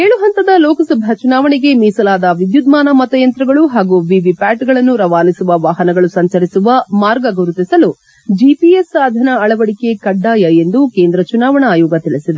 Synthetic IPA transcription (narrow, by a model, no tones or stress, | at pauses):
eːɭuɦɐnt̪ɐd̪ɐlɔːkɐsɐbʱɐt͡ʃunaːʋɐɳeɡe̞miːsɐlaːd̪ɐʋid̪jud̪maːnɐmɐt̪ɐjɐnt̪ɾɐɡɐɭuɦaːɡuʋiʋipaːʈɡɐɭɐnːuɾɐʋaːnisuʋɐʋaːɦɐnɐɡɐɭusɐɲt͡ʃɐɾisuʋɐmaːɾɡɐɡɐɾut̪isɐlu | d͡ʒipiesaːd̪ʱɐnɐɐɭɐʋɐɽike̞kɐɖːaːjɐe̞nd̪ukeːnd̪ɾɐt͡ʃunaːʋɐɳɐaːjɔːɡɐt̪iɭisid̪e